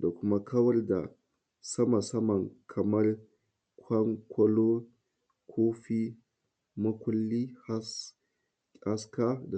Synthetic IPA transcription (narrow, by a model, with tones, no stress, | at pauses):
da˨kʷʊ˦ma˦kʰɐ˦wɐ˦rda̰˨ | sɐ˦ma˨sɐ˦mɐ˨ŋkʰɐ˨mɐ˦r | kʷʰɐ˦ŋkʷʰɐ˦lo˦ | kʰoː˦ɸi˦ | mʊ˦kʷʊ˦lːi˦ha˦s | a˦ska˦da˨